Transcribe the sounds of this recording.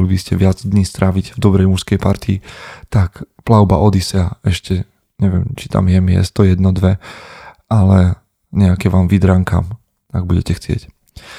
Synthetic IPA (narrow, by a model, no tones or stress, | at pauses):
libiscɛʋɪad͡zd̪ɲiːst̪ɾʔaʋiɟvd̪ɔbɾɛjmuʃskɛjpaɾt̪iːt̪akplaʊba̰ʔɔd̪isɪaɛʃcɛ | ɲɛʋɪɛ̰mt͡ʃi̥t̪a̰mjɛmijɛ̰st̪ɔjɛd̪nɔd̪ʋɛ | alɛ | ɲɛakɛʋaːmʋid̪ɾaŋka̰ːm | aɡ̚buɟɛcɛxt͡sɪɛ̰c